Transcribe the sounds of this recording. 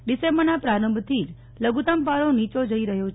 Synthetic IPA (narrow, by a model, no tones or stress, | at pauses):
ɖisembəɾnapɾaɾəmbt̪ʰid͡ʒ | ləɡut̪ampaɾõnit͡ʃod͡ʒəiɾəɦjot͡ʃ